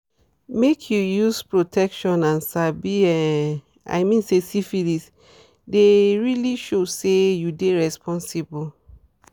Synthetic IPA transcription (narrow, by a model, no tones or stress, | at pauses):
mekʰjujuspɹotʰɛkʃɔ̃nãnsabiɛ | ʔa̰ɪmĩnsesifilis | deɹiliʃosejudeɹɛspʰɔ̃nsibɔl